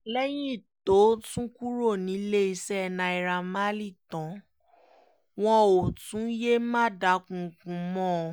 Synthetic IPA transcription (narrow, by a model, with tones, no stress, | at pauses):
lɛ˦j̃ĩ˦˨to˨˦tũ˦ku˦ɾo˦˨nĩ˨˦le˦i˧sɛ˦˨nã˧˨i˨˧ɾa˧ma˦li˦˨tɔ̃˨˦ | w̃ɔ̃˧o˨tũ˨˦je˦mã˦˨da˨˦kũ˨kũ˨˦mɔ̃˦˧